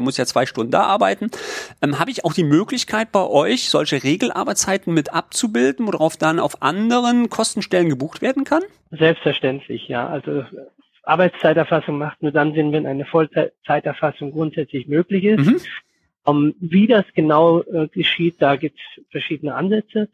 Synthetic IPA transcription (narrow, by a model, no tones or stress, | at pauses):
mʊsjaːt͡sv̥aɪʃtʊndn̩da̰ːʔaɐbaɪtn̩ʔɛːmɦaːbəɪçaʊxd̥iːmøːklɪçkʰaɪt̚b̥aɪʔɔʏçz̥ɔlçəʁeːɡl̩ʔa̰ɐbaɐt͡saɪtn̩mɪtʔap̚t͡subɪldn̩voːdɐʁaʊfd̥ana̰ʊfʔa̰ndəʁənkʰɔstn̩ʃtɛlənɡəbuːxtv̥eːɐdn̩kʰan | zɛlpstfɛɐʃtɛntʰlɪ̰çja̰ːʔalzo | ʔa̰ɐbaɪt͡st͡saɪtɛɐfasʊŋmaχtnuːɐdanzɪnvɛnʔaɪnəfɔlt͡saɪtɛɐfasʊŋɡʁʊntz̥ɛt͡slɪçmøːklɪçɪsm̩tm̩ | ʔɛmviːdasɡ̥ənaʊɡ̥əʃiːt̚d̥aːɡiːp̚tsfɛɐʃiːdənəʔanzɛt͡sə